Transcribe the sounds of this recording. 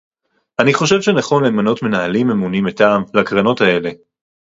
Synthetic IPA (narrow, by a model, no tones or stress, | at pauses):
ʔaniχo̞ʃe̞vʃe̞naχo̞nleːmano̞tme̞naɦalimemunimetaːmlakʁano̞tae̞le̞